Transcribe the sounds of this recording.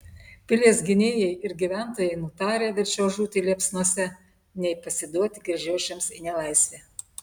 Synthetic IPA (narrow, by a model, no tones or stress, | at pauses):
pʲɪlʲeːs̬ɡʲɪnʲeːjɛɪɪɾɡʲiʋʲæˑnt̪oːjɛɪnut̪ɑːɾʲeːʋʲɛɾʲt͡ʃʲɛʊʒuːt̪ʲilʲiɛpsnuɔsʲɛ | nʲɛɪpɐsʲɪd̪uɔt̪ʲɪɡɾʲɛʒʲɛːʃʲɛmsɪnʲɛlˠɐɪsʲʋʲeː